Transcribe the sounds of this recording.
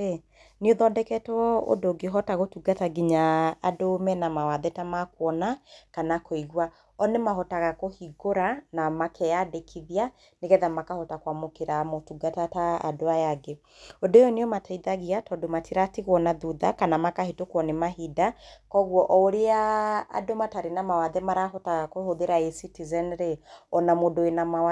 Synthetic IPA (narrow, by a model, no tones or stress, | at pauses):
e | neoðɔdɛkɛtɔo̰doɡeɦɔtaɣotuɡataɡiɲaadomɛnamawaðɛtamakwɔnakanakoiɣwa | ɔnemaɦɔtaɣakohiɡoɾanamakʰɛjadekʰiðia | neɣɛðamakahɔtakwamokeɾamotuɡatataa̰doajaɡe | odojɔneɔmatʰaiðaɣiatɔdomatiɾatiɣwɔnaðuðakanamakahetokɔnemaɦidakɔɣwɔʔɔoɾea̰ːdomataɾenamawaðɛmaɾaɦɔtaɣakohoðeɾaesitizɛnɾeɔnamodoenamawa